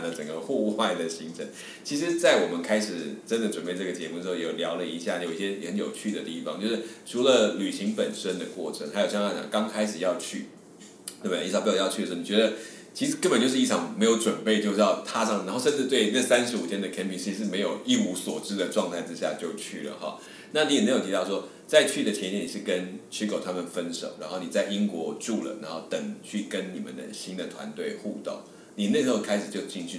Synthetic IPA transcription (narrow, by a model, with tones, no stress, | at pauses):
nlə˩ʈ͡ʂə˨˩ŋɡə˦xu˥˧xwa˥˩ɪd̪ə˩ɕi˧˥ŋʈ͡ʂʰə˧˥n | t͡ɕʰi˧˥ʂ̬ɻ̩˧˥t͡sa˥˩ɪwɔ˨˩mə˦nkʰa˥ɪʂɻ̩˨˩ʈ͡ʂə˥nd̪ə˨ʈ͡ʂwə˨˩npe˥˧ɪʈ͡ʂə˥˩ɡə˩t͡ɕjɛ˧˥mu˥˩˥o˥˩jo˨˩ljɑ˧˥ʊlə˧˨i˧˥ɕja˥˩˨jo˨˩i˥˩ɕjɛ˥˨xə˧˦njo˨˩ʊt͡ɕʰy˥˩d̪ə˩t̪i˥˩fɑ̰˨˦ŋt͡ɕjo˥˧ʊʂɻ̩˥˩ʈ͡ʂʰu˧˥lə˧ly˨˩ɕi˧˥ŋpə˨˩nʂə˥nd̪ə˨kwɔ˥˩ʈ͡ʂʰə˧˦ŋxa˧˥jo˨˩ɕɑ˥˧˥ɑ˥˩t͡ɕj̰ɑ̰˨˩ŋkɑ˥ŋkʰa˥ɪʂɻ̩˨˩jɑ˥˧ʊt͡ɕʰy˥˩ | nə˥˩m˨i˥˩˥pjt͡ɕʰy˥˩˨ə˧˥˩ni˨t͡ɕɥʲɛ˧˥d̪ə˧ | t͡ɕʰi˧˥ʂɻ̩˧˥kə˥nmpə˨˩nt͡ɕjʂɻ̩˥˧i˥˩ɑ˨˩ŋme˧ɪjo˧˥ʊʈ͡ʂwə˨˩npe˥˩ɪt͡ɕjo˥˧ʊʂ̩˥˧jɑ˥˩ʊt̪ʰa˥ʂɑ˥˩ŋ˨a˧˥nxo˥˧ʊʂə˥˧nʈ͡ʂɻ̩˥˧t̪we˥˧ɪnə˥˩sa˥nʂɻ̩˧˥u˨˩t̪ʰjɛ˥nd̪ə˨kʰɛ˥npʰi˧˥ŋɕʰi˧˥˧ʂɻ̩˥˩me˧˥ɪjo˨˩ʊi˥˧u˧˥swɔ˨˩ʈ͡ʂɻ̩˥d̪ə˨ʈ͡ʂwɑ˥˧ŋt̪ʰa˥˩ɪʈ͡ʂɻ̩˥ɕ̬ja̰˥˧t͡ɕjo˥˧ʊt͡ɕʰy˥˩lə̰˩xɑ̰˨˩ | na˥˩˨ni˧˥jɛ˨˩me˧˥jo˨˩t̪ʰi˧t̪ɑ˥˩ʊʂwɔ˥ | t͡sa˥˧ɪt͡ɕʰy˥˩d̪ə˨˩t͡ɕʰɛ˧nt͡ɕɛ˥˩ni˨˩ʂɻ̩˥˩kə˦nt͡ɕʰy˥kʰo˨˩ʊt̪ʰa˥mə˨nfə˦˥nʂo˨˩ʊɻa˧˥nxo˥˩ʊni˨˩t͡sa˥˩ɪi˥ŋkwɔ˧˥ʈ͡ʂu˥˩lə̰˩ɻa˧˥nxo˥˩ʊt̪ə˨˩ŋt͡ɕʰy˥˩kə˦nni˨˩mə̰˨˦nd̪ə̰˨ɕi˥nd̪ə˨t̪ʰwa̰˧˦nt̪we˥ɪxu˥˧t̪o̰˥˩ŋ | ni˨˩ne˥˩ʂɻ̩˥xo˥˩kʰa˥ɪʂɻ̩˨˩t͡ɕjo˥˧ʊt͡ɕi˥˧ŋt͡ɕʰy˥